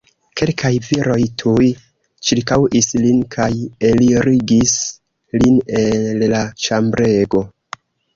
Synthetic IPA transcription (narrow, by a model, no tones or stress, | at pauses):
ke̞lkʰajviɾo̞jtʰuj | t͡ʃiɾkawʔislinkʰaje̞liɾiɡis | linellat͡ʃambɾe̞ɡo̞